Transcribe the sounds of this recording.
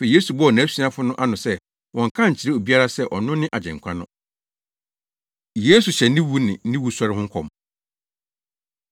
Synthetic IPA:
fe˨je˦su˨bɔ˦˨nã˨˦su˦ã˦fʊ˦nʊ̃˦ʔa˦nʊ̃˨sɛ˦ | wɔ̃˨ŋ̩˨kʰã˦ɲ̩˨t͡ɕʰi˨ɾe˦o˨bi˦a˦ɾa˦sɛ˦ʔɔ˨nʊ̃˦nɪ̃˦ʔa˨d͡ʑɛ̰̃˨ŋ˨kʷʰã˦nʊ̰̃˦ | je˦su˨ɕɛ˨nɪ̃˦wu˦nɪ̰̃˨˦nɪ̃˦wu˦sɔ˦ɾɪ˦hʊ̃˦ŋ˦kʰɔ̰̃˨m

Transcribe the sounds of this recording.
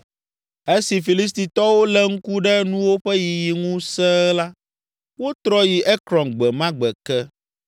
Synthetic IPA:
e˦si˨fi˨li˦s̬t̪i˨t̪ɔ˦wo˦lɛ˦ŋ̩˦ku˦ɖɛ˦nũ˦wo˦ɸɛ˦ji˨ji˨ŋũ˦sɛ˦la˦ | wo˦t̪ɾɔ˦ji˨ʔɛ˦kɾɔ̃˨nɡ͡bɛ˨mã˦ɡ͡bɛ˨kɛ˦

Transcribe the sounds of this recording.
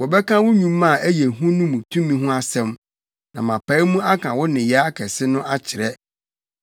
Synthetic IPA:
wɔ˨bɛ˦kʰã˦wʊ˦ɲũ˨mːã˦˨æ˦jɛ˨ɦũ˦nʊ̃˦mũ˨tʰũ˦mĩ˦ɦʊ̃˦a˦sɛ̃˦m | nã̰˨mã˨pʰa˨˦i˦mũ˦a˦kʰã˨wɔ˦nɪ̃˨jɛ˨˦a˦kʰɛ˨sɪ˦nʊ̃˦ʔa˦t͡ɕʰɪ˨ɾɛ˦

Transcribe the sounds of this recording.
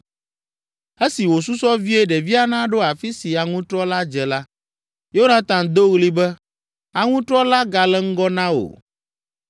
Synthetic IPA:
e˦si˨wo˨su˦sɔ˦vi˦ɛ˦ɖɛ˨vi˦a˦nã˦ɖo˦a˨fi˦si˨a˨ŋũ˦t̪ɾɔ˦la˦d͡ʒɛ˨la˦ | jo˦nã˨t̪ã˨d̪o˦ɣli˦bɛ˦ | a˨ŋũ˦t̪ɾɔ˦la˦ɡa˨lɛ˦ŋ̩˦ɡɔ˦nã˦o̰˨

